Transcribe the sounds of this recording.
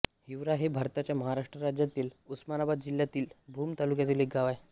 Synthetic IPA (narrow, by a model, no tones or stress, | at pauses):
hiʋɾaɦebʱaɾt̪at͡ɕjaməɦaɾaʂʈɾəɾad͡ʑjat̪iːlusmanabad̪̚d͡ʑiljat̪iːlbʱuːmt̪alukjat̪iːlekɡaʋaj